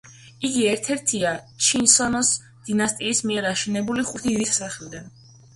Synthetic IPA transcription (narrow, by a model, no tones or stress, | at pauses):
iɡiɛɾt̪ʰɛɾt̪ʰia | t͡ʃʰinsɔnɔs | d̪̥inast̪ʼiːsmiɛɾaʃɛnɛbuliχut̪ʰiɾissaχlid̪an